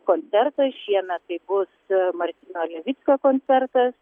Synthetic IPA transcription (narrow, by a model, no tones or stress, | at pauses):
koːnʲt͡s̪ʲɛɾt̪ɐʃʲiɛnɐt̪ɐɪbʊsmɐɾʲt̪ʲinolʲɛʋʲɪt͡s̪ʲkokoːnʲt̪t͡s̪ʲɛɾt̪ɐs